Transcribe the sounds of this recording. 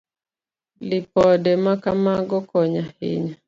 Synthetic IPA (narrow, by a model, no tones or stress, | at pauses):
lɪpɔdɛmakamaɡɔkɔɲahɪ̰ɲa